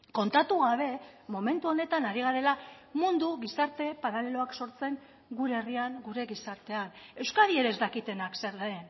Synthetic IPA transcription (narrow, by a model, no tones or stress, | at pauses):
ko̞nt̪at̪uɣ̞aβ̞e̞mo̞me̞nt̪uo̞ne̞t̪anaɾiɣ̞aɾe̞lamund̪uɣisaɾt̪e̞paɾale̞lo̞akso̞ɾt͡se̞ŋ | ɡuɾeːriaŋɡuɾe̞ɣisaɾt̪e̞ane̞wskaðieɾezd̪akit̪e̞nakse̞ɾðaen